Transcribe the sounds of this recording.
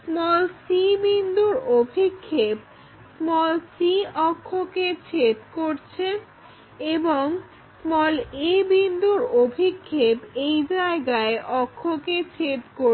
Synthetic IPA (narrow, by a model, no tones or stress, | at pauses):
smɔlsibind̪ʱuɾobʱikʰːep̚ | smɔlsiɔkʰːoket͡ɕʰet̪koɾt͡ɕʰe | eboŋ | smɔlebind̪ʱuɾobʱikʰːepejd͡ʑaeɡaeʔɔkʰːoket͡ɕʰet̪ko